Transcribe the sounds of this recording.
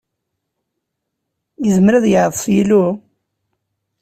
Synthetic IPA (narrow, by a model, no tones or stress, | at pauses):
jəzəmɾæðjəʕðˤəsˤjilu